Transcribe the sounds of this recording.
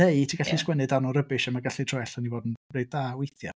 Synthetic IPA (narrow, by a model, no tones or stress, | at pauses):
ejtʰiːɡ̥aɬiskwɛnɨdanɔɾəbɨʃamaɡaɬitʰrɔɛɬanivɔːdn̩rejdawejθja